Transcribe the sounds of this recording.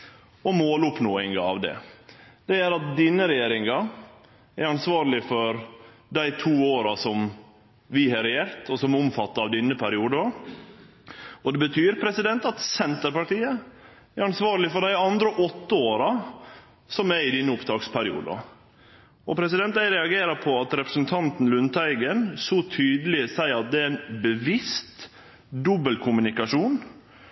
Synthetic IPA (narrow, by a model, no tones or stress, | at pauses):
ɔmoːlʊpnoːɪŋɑɑ̰ʋd̪ɛ̰d̪̥ɛæɾɑt̪̚d̪iːnəɾɛjeːɾɪŋɑ | æɾɑnsʋɑːɾlɪfɔɾ | d̪æɪt̪ʰuːoːɾɑsɔm | ʋɪɦɑɾɛjeːɾt̪ʰɔsɔmʊmfɑt̪ːəɾɑʋd̪ɪnːəpʰæɾɪuːd̪ə | ɔd̪ɛbət̪ʰyːɾpʰɾɛsɪd̪ɛnt̪ɑt̪sɛnt̪əɾpɑʈiːə | æɾɑnsʋɑːɾlɪfɔɖæɪɑnd̪ɾəʔɔt̪ːəoːɾɑ | sɔmæɾɪd̪ɪnːəʊpt̪ʰɑːkspʰæɾɪṵːd̪əɑ̰ | ɔpʰɾɛsɪd̪ɛnt̪d̪æɪɾɛɑɡeːɾɑɾpʰɔɑt̪ɾɛpɾə̥sn̩t̪ʰɑnt̪n̩lʉnt̪ʰæɪɡənsɔt̪ʰyːd̪əlɪsæɪɑt̪̚d̪ɛæɛnbəʋɪst̪ | d̪ɔbəlkʰʊmʉnɪkɑʂuːn